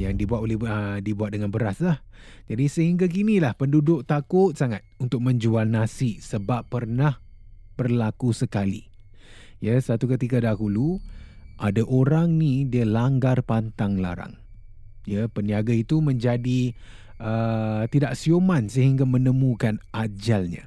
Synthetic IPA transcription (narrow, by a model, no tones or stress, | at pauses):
jaŋdibuat̪olɛhədibuat̪̚dəŋanbəɾaslah | d͡ʒadisəɦiŋɡak̬inilahpəndudʊk̚t̪akʊt̪̚saŋat̪̚unt̪ʊk̚məɲd͡ʒualnasisəbapːərnahb̥ərlakusəkalḭ | jəsat̪ukət̪ikadaɦulu | ʔadaʔoɾaŋnidiəlaŋɡarpant̪aŋla̰ɾa̰ŋ | jəpəniaɡait̪umə̃ɲd͡ʒadi | ət̪idaʔ̚siomansəɦiŋɡamənəmukanʔad͡ʒalɲa̰